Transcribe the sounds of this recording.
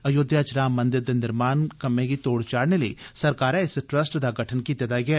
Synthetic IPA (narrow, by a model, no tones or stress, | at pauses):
ɐjod̪ʱjat͡ʃɾaːmːɐ̃nd̪ɪɾd̪enɪɾmaːnkɐmẽɡit̪oːɽt͡ʃaːɽneləḭsɐɾkaːɾɛ̃ɪsʈɾəsʈd̪aɡəʈʰənkiːt̪ed̪aɡɪɛː